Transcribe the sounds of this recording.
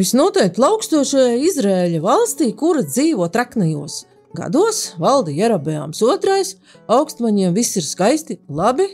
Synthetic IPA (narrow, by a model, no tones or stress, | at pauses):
visnuɔt̪ɛjk̚t̪lˠɑwkst̪uɔʃajaːizɾaeːlʲavɑlˠst̪iːkuɾad̪ziːvuɔt̪ɾaknajuɔs | ɡa̰d̪uɔsvalˠd̪ijɛɾabɛa̰ːmsuɔt̪ɾajs | awkst̪vaɲiɛmvisiɾskajst̪ilˠabi